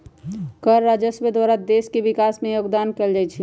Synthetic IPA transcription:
kəɾːad͡ʒəsbed̪waɾad̪eskebikasmẽjoɡd̪ankeld͡ʒajt͡ʃʰi

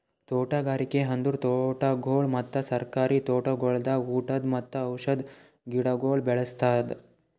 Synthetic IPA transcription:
t̪oːʈaɡaːɾikeɦɐnd̪uɾt̪oʈaɡʱoːɭmɐt̪ːɐsɐɾkaːɾiːt̪oːʈɐɡoɭd̪auːʈɐd̪mɐt̪ːɐːwʂɐd̪ | ɡiɽɐɡoːɭbɛɭɐst̪at̪

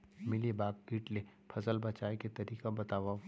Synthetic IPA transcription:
mɪlibaːɡ̚kiːʈlepʰɐsəlbɐt͡ʃaːeket̪ɐɾiːkabɐt̪aːʋa

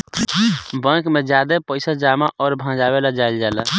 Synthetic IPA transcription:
bə̃kmed͡ʒad̪epəɪsad͡ʒamaʔɔːɾbʱãd͡ʒabelad͡ʒajld͡ʒala

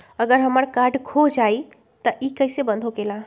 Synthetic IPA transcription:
əɡəɾɦəməɾkaɾɖkʰod͡ʒai | t̪əʔikəɪsebə̃nd̪ʱokela

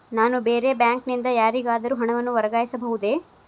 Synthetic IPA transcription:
naːnubeːɾe̞bjaːŋknind̪ɐjaːɾiɡaːd̪ɐɾuːɦɐɳɐʋɐnːuʋɐɾɐɡaːjisɐbɐɦud̪e̞

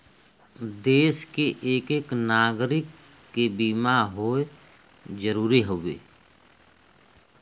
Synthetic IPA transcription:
d̪eːskeʔeːkeːknaːɡɾɪkː | ebiːmaɦoe | d͡ʒəɾuːɾiɦowḛː

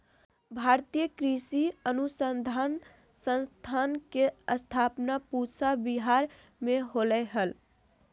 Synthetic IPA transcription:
bʱaɾt̪ijəkɾisiənusənd̪ʱan | sə̃nst̪ʰankeəst̪ʰapnapusabiɦaɾ | meɦolɛɦəl

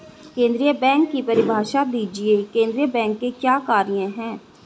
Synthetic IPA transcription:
kẽːnd̪ɾijəbɛ̃ːŋkːipəɾɪbʱaːʃad̪iːd͡ʒiekẽːnd̪ɾijəbɛ̃ːŋkːekjaːkaːɾijãɦɛ̃ː

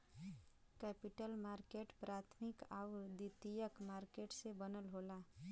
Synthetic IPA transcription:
kɛpiʈəlmaɾkeʈpɾat̪ʰmikawd̪it̪ijəkmaɾkeʈsebənəlɦola

